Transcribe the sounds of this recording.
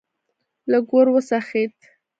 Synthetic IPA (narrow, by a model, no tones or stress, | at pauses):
laɡoɾwəsaxet̪